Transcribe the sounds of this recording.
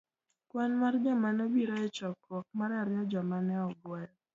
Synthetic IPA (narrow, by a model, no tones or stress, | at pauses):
kwanmard͡ʒɔmanobiɾɔɛt͡ʃɔkɔk̚maɾaɾjɔd͡ʒɔmanɛɔɡwajɔ